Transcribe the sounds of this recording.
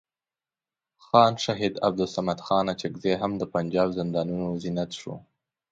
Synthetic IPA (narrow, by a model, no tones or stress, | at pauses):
xɑːnʃaɦid̪a̰b̚d̪ʊlsamad̪xɑnat͡ʃɪɡzeɦamd̪əpand͡ʒɑːbzɪnd̪ɑnunozinat̪ʃo̰